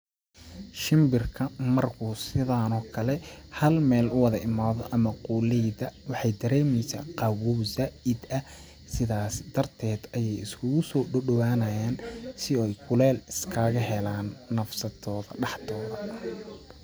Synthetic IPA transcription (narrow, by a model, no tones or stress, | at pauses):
ʃɪmbɪrkʰɐmɐrkʰuːsɪðaːnɔːkʰɐlɛhɐlmɛːlʊwɑðɐʔɪmaːðɔʔɐmɐquːlɛjðɐwɑħɑjd̪ɐɾɛːmɛjsa̰ːqɑwuːzaːɪd̪ɐ | sɪðaːsd̪̥ɐrt̪ʰɛːd̪ɐjɛjɪskʰʊɣʊsɔːɖɔɖɔwaːnɐjaːnsɪɔjkʰʊlɛːlɪskʰaːɣɐɦɛlaːnːɐfsɐt̪ʰɔːðɐɖɑħt̪ʰɔːðɐ